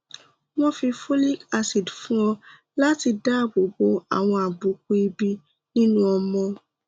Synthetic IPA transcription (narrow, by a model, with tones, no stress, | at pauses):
w̃ɔ̃˦fi˧fo˦li˦ka˦si˨dfũ˦ɔ̃˦ | la˦ti˧da˦˨bo˨bo˧a̰˨w̃ɔ̃˧a˨bu˨˦k̚u˦i˧bi˧ | nĩ˦nũ˦ɔ˧mɔ̃˧